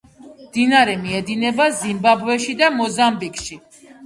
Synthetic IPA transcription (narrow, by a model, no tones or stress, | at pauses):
md̪̥inaɾɛmiɛd̪inɛbazimbabvɛʃid̪amɔzambikʃi